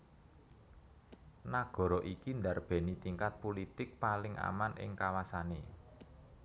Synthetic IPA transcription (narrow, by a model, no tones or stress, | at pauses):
naɡ̥ɔ̤ɾɔʔikind̪arb̥ɛ̤nit̪iŋkat̪̚polit̪ɪk̚palɪŋʔa̰manʔɪ̰ŋkawasane